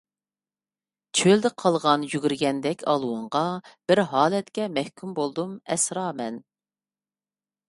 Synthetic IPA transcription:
t͡ʃʰøld̪ɪqʰɑlˠʁɑnjyɡʲyɾɡʲɛnd̪ɛkʲʰɑ̰lˠwuɴʁɑb̥ɪɾɦɑːlɛt̪kʲɛmɛhkʲʰymbolˠd̪umɛsɾɑːmɛn

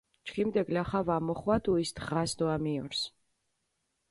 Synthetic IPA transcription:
t͡ʃʰχimd̪ɛɡlaχavamɔχwad̪uisd̪ʁasd̪ɔamiɔɾs

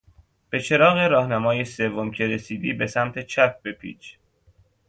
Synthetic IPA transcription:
b̥e̞t͡ʃʰe̞ɾɒːɣeɾɒːhnæmɒːjese̞vːomcʰe̞ɾe̞siːd̪iːbe̞sæmt̪ʰe̞t͡ʃʰæp̚b̥e̞pʰḭːt͡ʃ

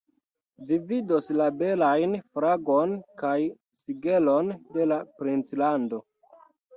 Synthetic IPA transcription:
vividoslabe̞lajnfɾaɡo̞nkaj | siɡe̞lo̞nde̞lapɾint͡slando̞

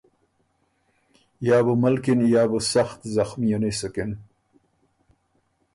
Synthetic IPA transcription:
jaːbəmalkinjaːbəsaxt̪zaxmijanesəkɪn

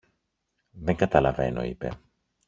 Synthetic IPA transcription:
ðe̞ŋɡɐt̪ɐlɐve̞no̞̰ḭpe̞̰

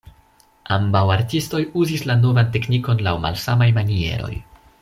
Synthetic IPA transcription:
ambawaɾtisto̞juzislano̞vante̞kniko̞nlawma̰lsamajmanie̞̰ɾo̞̰j

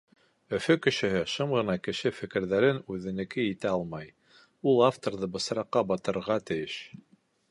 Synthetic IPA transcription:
ɵ̆fɵkɘ̆ʃɘ̆ɦɘʃɤmʁɤ̆nɑkɘ̆ʃɘfɘ̆kɘ̆ɾðæɾɘnʉðɘ̆nɘ̆kɘit̪æɑlˠmɑj | ulˠaft̪oɾðɤbɤ̆sɾɑqːɑbɑt̪ɤ̆ɾɾʁɑt̪ɘ̆jɘʃ

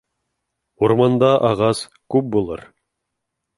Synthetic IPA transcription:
uɾmɑnd̪ɑʔɑʁɑs | kʉp̚bulˠɤ̰ɾ

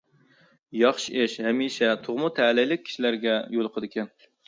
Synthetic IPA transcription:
jɑχʃiʔeʃhɛmiʃɛt̪ʰoʁmʊt̪ʰælɪjlɪk̚ʲʰːi̥ʃilæɾɡʲɛjolˠqʰəd̪ɪkʲʰɛn

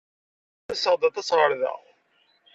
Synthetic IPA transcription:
æsəʁd̪ˤɑt̪ˤɑsʁəɾðə̰ʁ

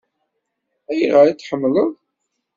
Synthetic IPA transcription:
æjiʁaɾit͡sːħəmːləð

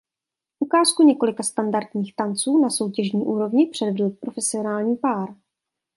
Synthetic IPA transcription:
ʔukaːskuɲɛkolɪkast̪andaɾt̪ɲiːxt̪ant͡suːnaso̞wcɛʒɲiːʔuːɾo̞vɲɪpr̥ɛdvɛdl̩pɾo̞fɛsɪo̞naːlɲiːpaːɾ

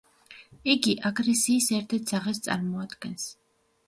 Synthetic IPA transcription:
iɡiʔaɡɾɛsiːsɛɾt̪ʰɛɾt̪ʰzaʁɛs̬t̪sʼa̰ɾmɔad̪ɡɛns

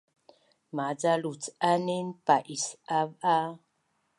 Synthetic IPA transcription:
mad͡zalut͡sanenpaʔisava

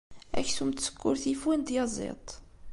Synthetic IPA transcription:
æ̰çsumt̪sə̥kːʊɾθifwind̪jɑzˤḭt̪ˤ

